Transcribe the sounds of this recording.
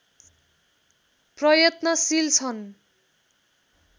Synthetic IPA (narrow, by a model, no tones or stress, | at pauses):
prʌjʌt̪nʌsilt͡sʰʌn